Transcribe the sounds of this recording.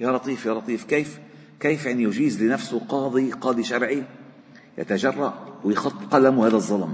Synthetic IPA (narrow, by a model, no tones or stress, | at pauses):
jaːɾˤɑt̪ˤiːfjaɾˤɑt̪ˤiːfkeːf | keːfjaʕnijʊd͡ʒiːzlɪnafsʊqɑːd̪ˤiqɑːd̪ˤiʃɑɾˤʕi | jʔa̰t̪aʒɑrˤːɑʔwɪjxɑt̪ˤːqɑlamʊhaːðazˤːɑlm